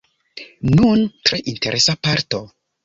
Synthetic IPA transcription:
nuntɾe̞ʔinte̞ɾʔe̞sapaɾto̞

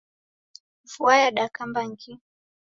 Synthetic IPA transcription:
vuajaɗakambaŋki

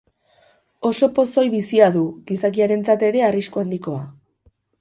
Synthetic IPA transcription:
o̞so̞po̞so̞jβisiaðuɣisakiaɾe̞nt͡sat̪e̞ɾe̞ariskuand̪iko̞a

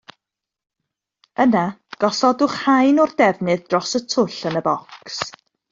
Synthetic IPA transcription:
ənaɡ̥ɔsɔdʊχhajnɔrdɛvnɨðdrɔsətʰʊɬənəbɔks

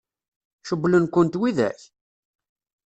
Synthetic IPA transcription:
ʃəbːlənkʷənt̪wiðæ̰ç

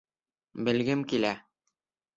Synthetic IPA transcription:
bɘ̆lɡɘmkilæ

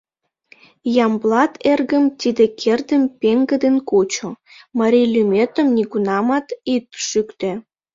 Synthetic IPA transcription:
jɑmblɑt̪ʰerɣəmt̪id̪ekʰerd̪əmpeŋɡə̆d̪enkot͡ɕomɑɾʲilʲymʲet̪ə̆mnʲikunɑmɑt̪it̪ʃykt̪ĕ

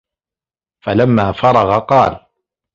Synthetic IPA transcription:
falamːaːfɑɾˤɑɣɑqɑːl

